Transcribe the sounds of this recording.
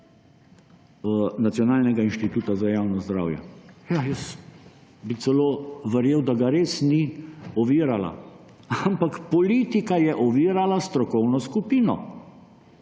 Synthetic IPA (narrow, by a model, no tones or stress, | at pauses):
nat̪sjɔnaːlnɛɡainʃt̪it̪uːt̪azajaːwnɔzd̪ɾa̰wjɛ̰jajəs | bit̪sɛloːʋəɾjewd̪aɡaɾeːsniɔʋiːɾala̰ | ampakpɔliːt̪ikajɛʔɔʋiːɾalast̪ɾɔkɔwnɔskupiːnɔ̰